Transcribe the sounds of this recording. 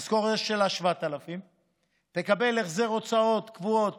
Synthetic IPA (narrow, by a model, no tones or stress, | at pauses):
sko̞ʁeʃelaʃvaat̪alafim | t̪e̞kabe̞leχzeʁo̞t͡sao̞t̪kvuot̪